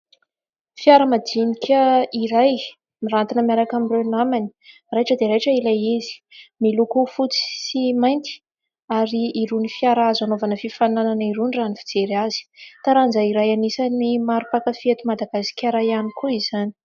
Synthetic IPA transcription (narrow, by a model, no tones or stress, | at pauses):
fiaɾəmad̪inikʲəiɾaj | mirant̪inəmiaɾakamirenamani̥ | rejʈ͡ʂəd̪eɾejʈ͡ʂəilajizi̥milukufut͡si̥simajnt̪i̥ | aɾiːɾunifiaɾaazanovanəfifanananiɾunranifid͡zeɾaz̥i̥t̪aɾand͡zaiɾajanisanimaɾupakəfiet̪umad̪aɡasi̥kʲaɾajanikuizani̥